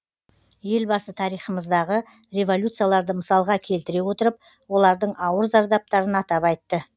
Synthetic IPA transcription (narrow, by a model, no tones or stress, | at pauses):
je̞lbɑsət̪ʰɑɾijχəməzd̪ɑʁə | ɾe̞vo̞lʲjut̪sɨjalˠɑɾd̪əməsɑlˠʁɑkʲʰe̞lt̪ɪɾe̞wo̞t̪əɾəp̚ | wo̞lˠɑɾd̪əɴʔɑwəɾzɑɾd̪ɑp̚t̪ɑɾənɑt̪ɑpɑjt̪ːə